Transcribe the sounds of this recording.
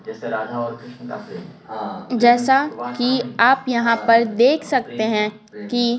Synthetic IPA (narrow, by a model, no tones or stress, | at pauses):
d͡ʒɛːseɾaːd͡ʒʱaɔɾ | d͡ʒɛːsakiaːpjɐɦãpɐɾd̪eːkʰsɐkt̪eɦɛ̃ | ki